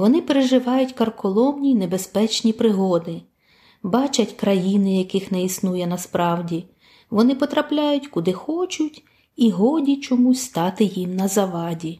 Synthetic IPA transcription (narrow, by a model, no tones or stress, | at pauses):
ʋɔnɪpeɾeʒɪʋɑjʊtʲkɐrkɔlˠɔmnʲinebespɛt͡ʃnʲipɾɪɦɔd̪ɪ | bɑt͡ʃɐtʲkɾɐjinɪjɐkɪxnɛisnujɛnɐspɾɑwdʲi | ʋɔnɪpɔt̪ɾɐplʲajʊtʲkʊd̪ɪxɔt͡ʃʊtʲ | iɦɔdʲit͡ʃɔmusʲst̪ɑt̪ɪjimnɐzɐʋɑdʲi